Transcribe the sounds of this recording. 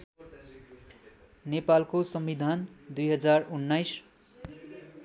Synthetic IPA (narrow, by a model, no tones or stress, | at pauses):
nepalkosʌmbid̪ʱand̪ujɦʌd͡zarunːajs